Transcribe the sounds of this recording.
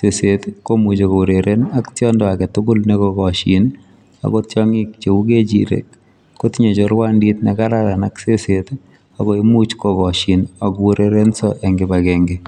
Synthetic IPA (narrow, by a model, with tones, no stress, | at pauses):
se˨setko˦mu˨t͡ʃo˨ko˨u˨ɾe˨ɾʔena˦ktjɔ˦ndɔ˨a˨kɛ˨tʊkʊ˦lnekɔkɔ˨ʃin | a̰˨kɔ˦tjɔŋi˦kt͡ʃe˨u˦ke˦t͡ʃḭɾḛ˨kː | o˦tɲe˨t͡ʃɔɾwa˦ndi˦tnɛka˦ɾaɾa˨nakse˦set | a˨kɔ˦i˦mu˦t͡ʃkɔkɔ˨ʃi˨na˨kwu˦ɾe˨ɾe˦nsɔʔɛ˨ŋɡɪ˨ba˨kɛŋɡe˨